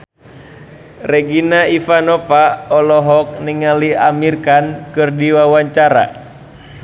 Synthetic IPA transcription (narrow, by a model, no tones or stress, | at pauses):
rɛɡinaifanɔfaɔlɔɦɔk̚niŋaliamirkankɨrdiwawaɲt͡ʃaɾa̰